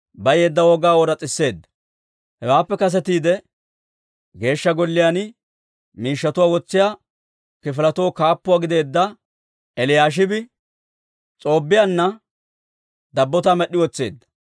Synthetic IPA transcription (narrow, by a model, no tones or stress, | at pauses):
bɐjeːd̪ːɐwɔɡaːwɔɾɐt͡sʼɪsːe̞ːd̪ːɐ̥ | hɛwaːpːɛkɐs̬ɛt̪iːd̪ɛ | ɡe̞ːʃːɐɡɔlːɪjan | miːʃːɐt̪ʊwaːwɔt͡sːɪjaː | kɪfɪlɐt̪woːkaːpːʊwaːɡɪd̪e̞ːd̪ːɐ | ɛlɪjaːʃ̬ɪbɪ | t͡sʼo̞ːbːɪjanːɐ | d̪ɐbːɔt̪amɛɗːɪwɔt͡sːe̞̰ːd̪ːɐ̥